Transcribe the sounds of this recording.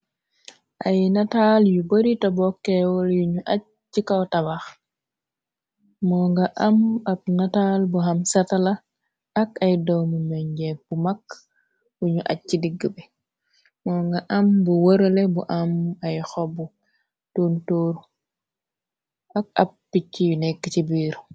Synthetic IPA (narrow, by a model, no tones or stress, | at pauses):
ʔajnataljubəɾitobɔkːɛwɔljuɲuʔat̚ːikawtabax | mɔːŋɡaʔɐmɐb̚natalbuɦɐmsɐtala | ɐkɐjdɔwmumɛɲɟɛb̥umak | juɲuʔa̰t̚t͡ʃidiɡːəbɛ | mɔŋɡɐʔɐmbuwəɾolɛbuʔɐmɐjxɔbu | toːntoːɾ | ʔɐk̚ɐp̚ːicːijunɛkːt͡ʃibiːɾ